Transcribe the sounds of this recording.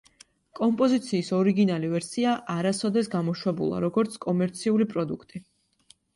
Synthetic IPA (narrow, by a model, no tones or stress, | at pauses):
kʼɔmpʼɔzit̪sʰiːsɔɾiɡinalivɛɾsiaʔaɾasɔd̪ɛsɡamɔʃwɛbṵlˠa̰ɾɔɡɔɾt̪sʰkʼɔmɛɾt̪sʰiulipʼɾɔd̪ukʰt̪ʼi